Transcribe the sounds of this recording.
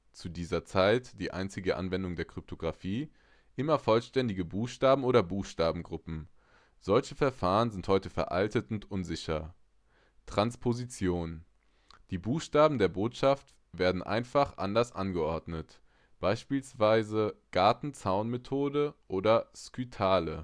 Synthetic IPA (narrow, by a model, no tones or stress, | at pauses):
t͡sudiːzɐt͡saɪtd̥iːʔa̰ɪnt͡sɪɡəʔa̰nvɛndʊŋdeːɐkʁ̥ʏp̚tʰoɡʁafiː | ʔɪmɐfɔlʃtɛndɪɡəbuːxʃtaːbm̩oːdɐbuːxʃtaːbm̩ɡʁʊpm̩ | z̥ɔlçəfɛɐfaːʁənzɪnthɔʏtəfɛ̰ɐʔa̰ltətʊntʔʊnzɪçɐ | tʁ̥anspʰozit͡sjoːn | d̥iːbuːxʃtaːbm̩deːɐboːtʃaft | v̥eːɐdn̩ʔa̰ɪnfaχʔa̰ndɐsʔa̰nɡəʔɔɐdnət | b̥aɪʃpiːlsv̥aɪzəɡ̥aɐtn̩t͡saʊnmetʰoːdəʔoːdɐskytʰaːlə